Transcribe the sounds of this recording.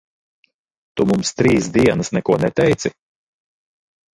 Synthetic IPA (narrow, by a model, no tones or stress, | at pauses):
t̪umumst̪ɾiːsd̪iɛnɐsnɛkuɔnɛt̪ɛjt̪si